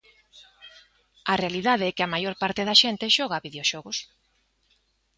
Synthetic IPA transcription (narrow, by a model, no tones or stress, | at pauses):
ɐrealiðað̞eɛkɪɐmajoɾpaɾt̪ɪðɐʃent̪ɪʃɔɣɐβiðeoʃɔɣʊs